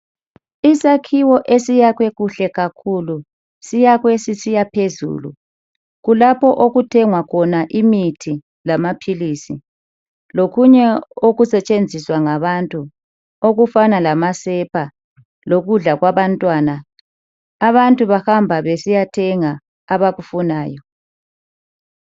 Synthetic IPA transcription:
isakʰiwɔʔesijaɣwɛɣuɬɛɣakʰulu | sijaɣwɛsisijapʰezṵːlṵ | ɣulapʰɔʔoɣutʰɛŋwakʰɔnaʔimitʰi | lamapʰiliːsi | loɣuɲɛoɣusɛt͡ʃʼend͡zʱiswaŋaβantʼu | oɣufanalamasɛpʰa | loɣuɮaɣwaβantʼwaːnaː | βantʼuβahambʱaβesijatʰɛŋa | aβaɣufunaːjɔ

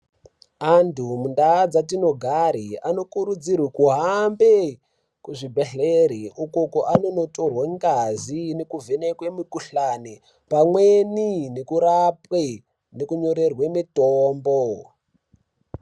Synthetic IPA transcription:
antʰumundaːd͡zatino̞ɡʱaɾiano̞kuɾud͡zirwikuɦambe | kuʐibʱeɬeɾiʔukokoʔano̞no̞torwaŋɡazinekuvʱenekwemikuɬani | pamweninekuɾapwe | nekuɲo̞ɾe̞rwemitoːmbo

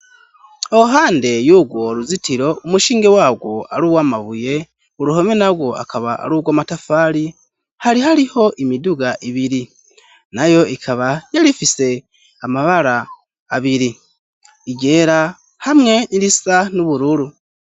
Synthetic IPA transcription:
oɦaːnde̞juːɡwoɾuzitiɾo̞umuʃiːŋɡe̞waːɡwo̞a̰ɾuːwamaβuje̞ | uɾuɦo̞menaɡwo̞a̰kʰaβaa̰ɾuːɡwaːmatafaːɾi | haɾihaɾiho̞ʔimiduɡaʔiβiɾi | najo̞ikʰaβajalifise̞ | amaβaɾaː | βiɾi | iɟe̞ːɾa | hamŋe̞niɾisanuβuɾuɾu

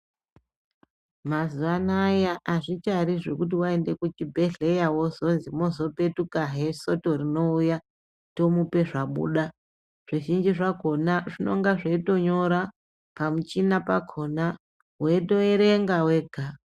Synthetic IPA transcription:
mazuʋanajaʔaʐit͡ʃaɾiʐe̞kut̬iwae̞nde̞kut͡ʃibʱe̞ɮe̞jawo̞zo̞nzimo̞zo̞pe̞tukaɦe̞so̞to̞rino̞uja | to̞mupe̞ʐaɓṵɗa | ʐ̥iʒind͡ʒiʐaɡʱo̞naʐino̞̰ŋɡaʐaito̞ɲo̞ɾa | pamut͡ʃinapakʰo̞na | ɦweto̞eɾe̞ŋɡawe̞ːɡʱa

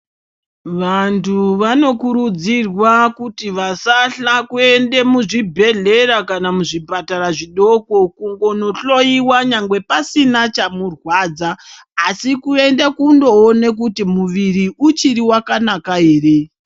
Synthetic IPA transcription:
ʋantʰuʋano̞kuɾud͡zirwakutiʋasaɬakue̞nde̞muʐibʱe̞ɮe̞ɾakanamuʐipataɾaʐiɗo̞ko̞kuŋɡo̞no̞ɬo̞iwaɲaŋɡwe̞pasinat͡ʃamurwaːd͡zaː | sikue̞ndakundo̞one̞k̬utimuʋiɾiut͡ʃiɾiwakanakaɦe̞ːre̞

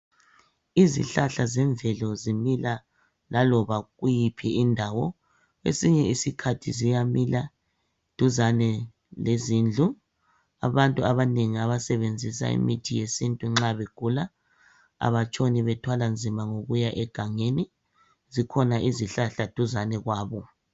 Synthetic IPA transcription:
izḭɬaɬazɛɱvɛlɔzimila | lalɔβaɣujipʰiindʱawɔ | ḛsiɲɛisikʰatʰizijamila | d̥ʱuzanɛ | lezind͡ɮʱu | a̰βantʼuaβaneŋiaβasɛβend͡zʱisa̰ḭmitʰijesintʼuŋ͡ǁaβeɡ̥ʱula | a̰βat͡ʃʼoniβɛtʰwaland͡zʱimaŋoɣujaʔɛɡ̥ʱaŋeni | zikʰɔnaʔiziɬaɬad̥ʱuzanɛɣwaːβɔ

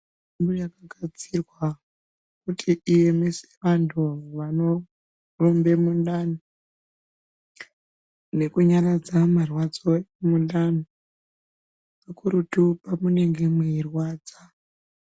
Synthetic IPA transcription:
mbujakaɡʱat͡sirwa | kutʰiʔije̞mese̥ʋantʰuʋano̞ | ro̞mbe̞mundan | ne̞kuɲarad͡zamarwad͡zo̞emunɗano | pakuɾutupamune̞ŋɡe̞mwiirwaːd͡za

